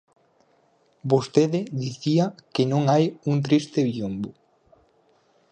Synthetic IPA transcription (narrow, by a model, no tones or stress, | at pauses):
bost̪eðɪðiθiakenõŋajuŋt̪ɾist̪ɪβiumbo